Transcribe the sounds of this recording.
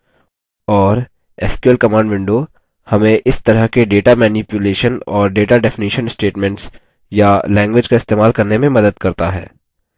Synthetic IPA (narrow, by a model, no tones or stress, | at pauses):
ɔːɾ | ɛːskjuəlkɐmãːɳɖʋɪ̃ɳɖo | hɐmẽʔɪst̪ɐɾəɦkeɖeːʈamɛːnipjʊleːʃənɔːɾɖeːʈaɖɛfɪniːʃənsʈeːʈmɛ̃ɳʈs | jalɛ̃ːŋɡʋɪd͡ʒkaɪst̪eːmaːlkɐɾnemẽmɐd̪əd̪̚kɐɾt̪aɦɛ̰ː